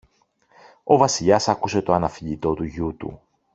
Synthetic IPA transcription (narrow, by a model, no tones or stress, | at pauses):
o̞vɐsiʎɐsɐkuse̞t̪o̞ɐnɐfiʎit̪o̞t̪uʝut̪ṵ